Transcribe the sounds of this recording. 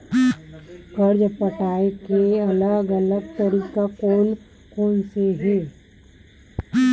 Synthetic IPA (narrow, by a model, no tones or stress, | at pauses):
kəɾd͡ʒpəʈaːekeɐləɡələɡ̚t̪əɾiːkakoːn | koːnseɦe